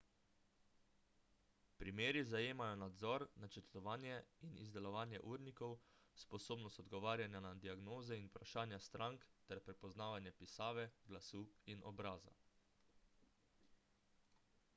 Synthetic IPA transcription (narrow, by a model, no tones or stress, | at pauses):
pɾimeːɾizajeːmajɔnad̪zɔɾnat͡ʃəɾt̪ɔʋaːnjɛinḭzd̪ɛlɔʋaːnjɛʔuːɾnikɔwspɔsoːbnɔst̪ɔd̪ɡɔʋaːɾjanjanad̪iaɡnoːzɛinupɾaʃaːnjast̪ɾaŋkt̪ɛɾpɾɛpɔznaːʋanjɛpisaːʋɛɡlasuːinɔ̰bɾaːza̰